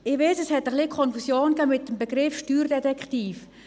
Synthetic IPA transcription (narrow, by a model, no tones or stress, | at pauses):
ɪʋeɪsɛshɛtəχlikʰɔnfusjoːnkɛːmɪtːəmbeɡɾɪfʃtyːrdɛtɛkχtiːf